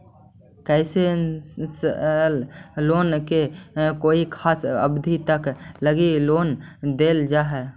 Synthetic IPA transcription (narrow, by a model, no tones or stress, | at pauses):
kɛɪseslloːnkekoːikʰaːsə̰bd̪ʱit̪əkləɡiloːnd̪eːld͡ʒaːɦɛ